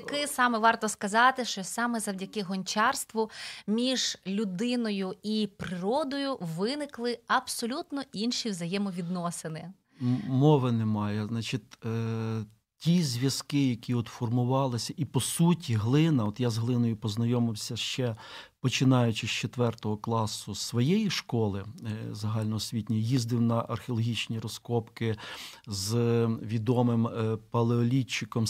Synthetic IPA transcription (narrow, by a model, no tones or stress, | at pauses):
ɐkɪsɑmɛʋɑrt̪ɔskɐzɑt̪ɪʃt͡ʃɔsɑmɛzɐwdʲɐkɪɦɔnʲt͡ʃɑrst̪ʋʊmʲiʒlʲʊd̪ɪnɔjʊipɾɪɾɔd̪ɔjʊʋɪnɪklˠɪɐbsɔlʲut̪nɔʔinʃiwzɐjɛmɔʋʲid̪nɔsɪnɪ | mɔʋɪnɛmɑjɛznɑt͡ʃit̪ʲ | tʲizʲʋʲjɐskɪjɐkʲiɔt̪fɔrmʊʋɑlˠɪsʲɐʔipɔsutʲiɦlˠɪnɐɔt̪jazɦlˠɪnɔjʊpɔznɐjɔmɪwsʲɐʃt͡ʃɛpɔt͡ʃɪnɑjʊt͡ʃɪst͡ʃet̪ʋɛrt̪ɔɦɔklˠɑsʊsʋɔjejiʃkɔlˠɪzɐɦɑlʲnɔɦɔsʲʋʲitʲnʲɐjizd̪ɪwnɐʔɐrxʲeɔlˠɔɦʲit͡ʃnʲiɾɔskɔpkɪzʋʲid̪ɔmɪmpɐlˠeɔlʲit͡ʃːɪkɔm